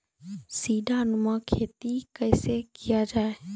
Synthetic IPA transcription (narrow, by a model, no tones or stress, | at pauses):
siːɖʱanʊmãkʰeːt̪ikɐɪsekijad͡ʒaːe